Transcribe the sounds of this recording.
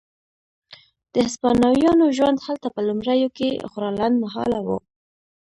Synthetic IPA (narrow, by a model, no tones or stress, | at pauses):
d̪̥əhaspɑnɑwjɑnoʒwand̪halt̪apəlʊmɾajokexʊɾɑlanmaɦɑ̰lawo̰